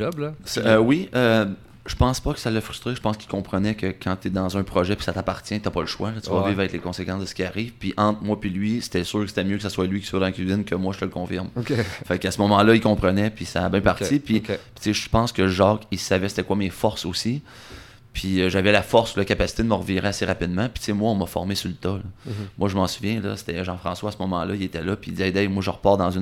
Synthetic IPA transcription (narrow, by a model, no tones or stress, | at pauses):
ʒɔblswiə | ʒ̥əpɑ̃spʌkə̥salːəfʁy̥st̪ʁeʒə̥pɑ̃skʲilkɔ̃pχənɛkəkʰɑ̃t̪ɛd̪ɑ̃zœ̃pχɔʒɛpi̥sat̪apaʁ̥t͡sjɛ̃t̪yapɔləʃwalɔt̪yvɔviːvʁaɛklekɔ̃sekɑ̃sd̪əsə̥kʲiaʁiːv̥piʔɑ̃ːt̪χmwapilɥise̥t̪ɛsʏːʁkəse̥t̪ɛmjøkə̥saswalɥikʲi̥swad̪ɑ̃kʲɥizɪnkʲəmwaʒət̪ələkɔ̃fɪʁmkʲefakasəmɔmɑ̃lʌilkɔ̃pχənɛpisaːbjɛ̃paʁt͡ssipɥipi̥t͡seʒəpɑ̃skəʒɑːkisavɛse̥t̪ɛkwamefɔʁsosi | pʰiʒavɛlafɔʁsulakapasi̥t̪ed̪əməʁviʁeaseʁapid̪mãpi̥t͡semwaɔ̃mʌfɔ̰ʁmesult̪ɔlɔmwaʒəmɑ̃suvjɛ̃lʌ̰se̥t̪ɛʒɑ̃fχɑ̃swaːsəmɔmɑ̃lʌilet̪ɛlʌpiːd̪izɛjd̪ɛjmwaʒəʁəpɑːʁtd̪ɑ̃zyn